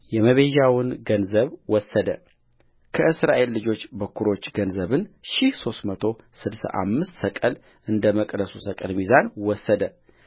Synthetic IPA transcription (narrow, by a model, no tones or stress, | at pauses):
jɛməβeʒawnɡənzəβwɔsːəd̪ə | kʰəʔɨsɾa̰ʔe̞lːɨd͡ʒo̞t͡ʃːbəkʰːuɾo̞t͡ʃːɡənzəβɨnʃihso̞st̪mət̪ʰo̞sɨd̪sa̰ʔa̰mːɨst̪səkʼəl | ʔɨnd̪əməkʼd̪əsusəkʼəlmizanwɔsːəd̪ə